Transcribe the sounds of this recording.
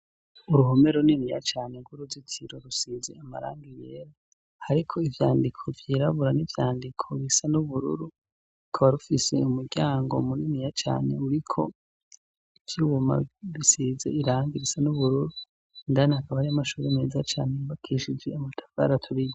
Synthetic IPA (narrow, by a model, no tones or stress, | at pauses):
uɾuɦome̞ɾoninija̰t͡ʃaːneɡuɾuzitʰiɾo̞ɾusize̞̰ama̰ɾa̰ːŋɡijḛːɾa | haɾikʰo̞ivjaːndikʰo̞vjiːɾaβuɾanivjaːndikʰo̞βisanuβuɾṵɾu | kʰaβaɾufise̞umuɾɟaːŋɡo̞̰muninijat͡ʃa̰ːne̞̰uɾikʰo̞̰ | ivjuwuma̰βisizḛiɾaːŋɡiɾisanuβuɾuɾu | ndanahakaβahɾijamaʃuːɾemeːzat͡ʃa̰ːneibakʰiʃid͡ʒeamutʰḁfa̰ɾatʰuɾijo